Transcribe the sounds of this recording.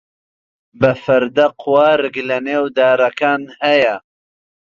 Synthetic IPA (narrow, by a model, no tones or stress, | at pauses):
bɨfɨɾd̪ɐqʰwaːɾɨɡlɐneːwd̪aːɾɐkaːnhɛjɛ